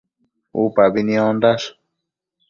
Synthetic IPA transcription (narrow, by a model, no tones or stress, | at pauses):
ṵpabinĩõnd̪aʂ